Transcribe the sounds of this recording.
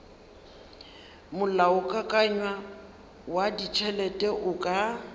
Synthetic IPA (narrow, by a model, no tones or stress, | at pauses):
mʊlaʊkʼakʼaɲwa | wadit͡ʃʰɛlɛtʼɛʔʊkʼa